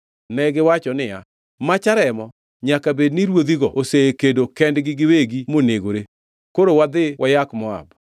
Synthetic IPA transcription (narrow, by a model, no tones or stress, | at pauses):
nɛɡɪwat͡ʃɔnɪja | mat͡ʃaɾɛmɔ | ɲakabedniɾwod̪iɡɔoseekedokɛndɡɪɡɪweɡimoneɡoɾe | koɾowad̪ɪwʔajakmɔa̰b